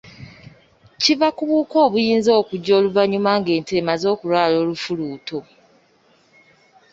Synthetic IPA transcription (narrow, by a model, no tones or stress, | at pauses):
civakuβuːko̞ːβujiːnzo̞ːkuɟːo̞ːluvaɲumaŋɡe̞ːnte̞ːmazo̞ːkuɾwaːlo̞ːlufuluːtʰo̞